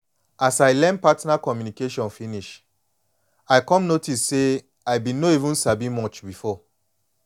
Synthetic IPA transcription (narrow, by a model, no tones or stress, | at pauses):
asaɪlɛ̃npatnakɔmjunikeʃɔ̃nfiniʃ | aɪkɔ̃mnotisːe | aɪbĩnoivũnsabimɔt͡ʃbifɔ